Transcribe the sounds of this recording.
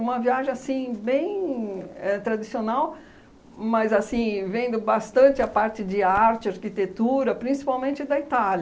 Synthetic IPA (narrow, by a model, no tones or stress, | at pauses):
ũmɐviaʒẽj̃asĩbẽj̃ | ɛt̪ɾad͡ʒisionaw | mɐzasĩvẽnd̪ʊbast̪ɐ̃nt͡ʃɪɐpaɾt͡ʃɪd͡ʒɪaɾt͡ʃɪaɾkit̪et̪uɾɐpɾĩsi̥pawmẽnt͡ʃɪd̪ɐit̪alɐ